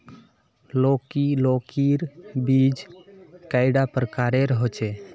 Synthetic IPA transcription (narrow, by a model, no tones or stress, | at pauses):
lokilokiɾbid͡ʒkaɪɖapɾəkaɾeɾəɦot͡ʃʰe